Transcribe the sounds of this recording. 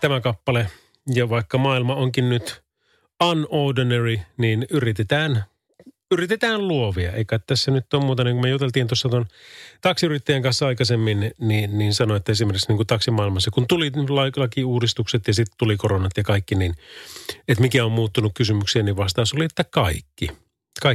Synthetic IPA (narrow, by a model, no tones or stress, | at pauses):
t̪æmækɑpːɑle | jɑʋɑikːɑmɑːilmɑoŋkinnyt̪ | ɑnoːdeneriniːnyrit̪et̪æːn | yrit̪et̪æːlluoʋiɑeikɑt̪t̪æsːænyt̪ːoːmmuːt̪ɑniːŋkumejut̪elt̪iːnt̪osːɑt̪ont̪ɑksiyrit̪ːæjæŋkɑnsːɑɑikɑsemːinniːnniːnsɑnoet̪ːæesimerkiksniŋkut̪ɑksimɑilmɑsːɑkunt̪ulilɑlɑkiuːdist̪ukset̪jɑsit̪t̪ulikoronɑt̪jɑkɑikːinin | et̪mikæommuːt̪ːunukkysymyksiæniʋʋɑst̪ɑːsoliet̪ːækɑikːi | kɑi